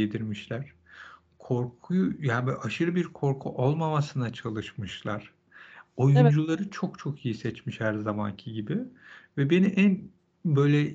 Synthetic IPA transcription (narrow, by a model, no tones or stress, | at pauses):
ed̪iɾmiʃlʲæɾ̥ | kʰo̞ɾkʰujujaːbʔaʃɯɾɯbiɾkʰo̞ɾkʰuʔo̞lˠmamasɯnat͡ʃʰalˠɯʃmɯʃlˠaɾ̥ | o̞jund͡ʒulˠaɾɯt͡ʃʰokt͡ʃʰo̞kʰijisɛt͡ʃmiʃhæɾzama̰ncʰiɟibɪvɛbe̞niʔæn | bø̞jlʲɛ